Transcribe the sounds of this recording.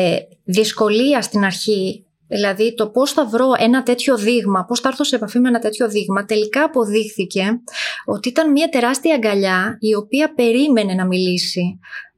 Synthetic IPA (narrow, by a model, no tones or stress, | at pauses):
ðisko̞liɐst̪inɐɾçi | ðilɐðit̪o̞po̞sθɐvɾo̞ʔe̞nɐt̪e̞t̪ço̞ðiɣmɐpo̞sθɐɐɾθose̞ːpɐfimenɐt̪e̞t̪ço̞ðiɣmɐt̪e̞likɐːpo̞ðixθice̞o̞t̪iit̪ɐnmiɐt̪e̞ɾɐst̪iɐŋɡɐʎɐio̞piɐpe̞ɾime̞ne̞nɐmilisi